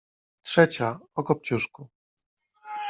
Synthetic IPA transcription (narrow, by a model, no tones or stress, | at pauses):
tʂɛt͡ɕaɔkɔp̚t͡ɕuʂku